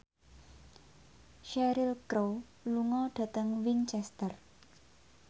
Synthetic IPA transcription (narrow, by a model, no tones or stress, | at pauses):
ʃɛɾilkɾow | luŋɔɖ̥ä̤t̪əŋwint͡ʃɛst̪ər